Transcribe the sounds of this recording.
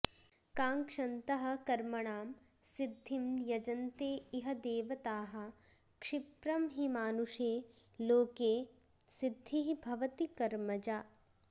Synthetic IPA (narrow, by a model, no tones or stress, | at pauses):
kaːŋkʂɐnt̪ɐɦɐ̆kɐɾmɐɳaːm | sid̪ʱːimjɐd͡ʒɐnt̪eːiɦɐd̪eːʋɐt̪aːɦɐ̆ | kʂɪpɾɐmɦimaːnuʂeː | loːkeː | sɪd̪ʱːiɦibʱɐʋɐt̪ikɐɾmɐd͡ʒaː